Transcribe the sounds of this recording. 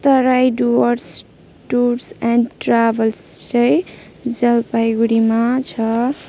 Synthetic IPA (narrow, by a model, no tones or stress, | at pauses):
t̪ʌɾajɖuʌɾs | ʈuɾsanʈrabʌlst͡sʌj | d͡zʌlpajɡuɾimat͡sʰʌ